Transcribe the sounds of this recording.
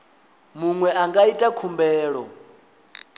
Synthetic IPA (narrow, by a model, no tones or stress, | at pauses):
muŋwɛʔaŋɡaitʼakʰumbɛːɺɔ